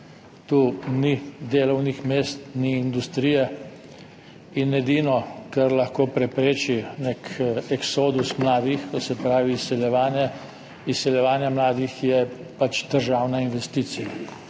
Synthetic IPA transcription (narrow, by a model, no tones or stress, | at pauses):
t̪uːnid̪eːlɔwnixmeːst̪niːnd̪ust̪ɾijɛ | inɛd̪inɔkɐɾlɐxkoːpɾɛpɾeːt͡ʃinekɛksoːd̪usmlaːd̪ixkɔsɛpɾaːʋiːsɛljɛʋaːnjɛ | isɛljɛʋaːnjɛmlaːd̪ixjɛpat͡ʃd̪əɾʒaːwnainʋɛst̪iːt̪sija